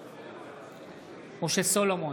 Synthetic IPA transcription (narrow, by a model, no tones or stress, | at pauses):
moʃesolomo